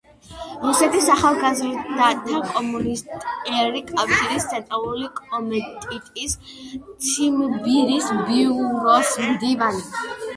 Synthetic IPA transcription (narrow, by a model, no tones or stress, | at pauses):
ɾusɛt̪ʰisaχalˠɡazɾid̪aakʼɔmunist̪ʼɛɾikʼafʃiɾist̪sʰɛt̪ʼalˠulikʼɔmɛt̪ʼit̪ʼist̪sʰimbiɾisbiuɾɔsmd̪ivani